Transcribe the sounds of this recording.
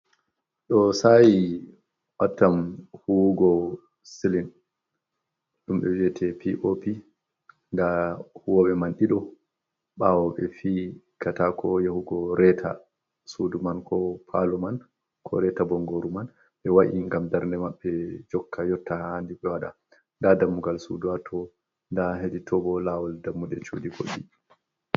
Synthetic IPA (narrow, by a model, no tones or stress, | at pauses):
ɗɔsaji | watːamhuɡɔ | silin | ɗumɓɛwiɛtʰɛpiʔopi | ndahuwɔɓɛmanɗiɗɔ | ɓawɔɓɛ̰fi | katakʰɔjahuɡɔɾɛtʰa̰ | sudumankʰɔpʰalɔman | kʰɔ̰ɾɛtabɔŋɡoɾuman | ɓɛwaʔiŋɡamdaɾndɛmaɓːɛd͡ʒɔkːajɔtːahaandiɓɛwaɗa̰ | ndadamːuɡalsṵduwatʰɔ | ndaɦeɗitʰɔbɔlawɔldamːuɗɛt͡ʃudiɡo̰ɗi